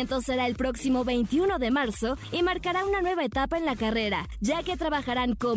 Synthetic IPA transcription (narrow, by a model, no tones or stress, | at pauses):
nt̪o̞se̞ɾae̞lpɾo̞ksimo̞βe̞jnt̪iuno̞ðe̞maɾso̞imaɾkaɾaunanwe̞βae̞t̪apae̞nlakare̞ɾa̰ | ʝake̞t̪ɾaβaxaɾaŋko̞